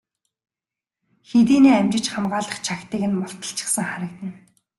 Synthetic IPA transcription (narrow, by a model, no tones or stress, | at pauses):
xet̪̬iːniːæmt͡ɕɪ̆t͡ɕχamɢaːɮə̆χt͡ɕʰakt̪iːɣɘ̆nmʊɬt̪ə̆ɬt͡ɕʰɪ̥̆ksə̆ŋχaɾə̆kt̪ɘ̆n